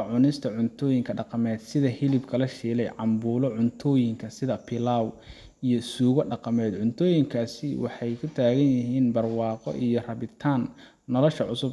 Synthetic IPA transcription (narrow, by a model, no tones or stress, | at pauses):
ʕʊnɪst̪ʰɐʕʊnt̪ʰɔːjɪŋkʰɐɖɑqɑmɛːd̪̥sɪðɐhɪlɪbkʰɐlɐʃiːlɛjʕɑmbuːlɔʕʊnt̪ʰɔːjɪŋkʰɐsɪðɐpʰɪlaːw | ijɔsuːɣɔɖɑqɑmɛːd̪ʕʊnt̪ʰɔːjɪŋkʰaːsɪwɑħɑjkʰʊt̪ʰaːɣɐnjɪɦiːnbɐrwɑːqɔ̰ʔijɞrɐβɪt̪ʰaːnː | ɔlɔʃɐʕʊsʊb